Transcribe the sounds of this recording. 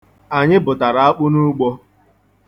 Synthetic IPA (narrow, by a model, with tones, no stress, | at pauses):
a˨ɲɪ˦bʊ˨ta˨ɾa˨a˦k͡pʊ˦nu˦ɡ͡bɔ˦